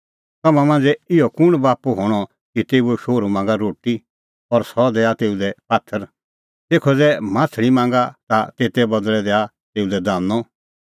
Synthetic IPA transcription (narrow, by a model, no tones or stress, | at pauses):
t̪ɐmãmãnd͡zɛɪjɔkʊɽ̃baːpuɦoːɽ̃ɔ | kit̪eːuɛʃoːɾumãːŋɡaɾoːʈi | ɔɾsɔd̪ɛat̪eːud̪ɛpaːt̪ʰːəɾ | t̪eːkʰɔd͡zɛmãːtʰɭimãːŋɡat̪at̪eːt̪ɛbɐd̪ɭɛd̪ɛa | t̪eːud̪ɛd̪ãːnɔ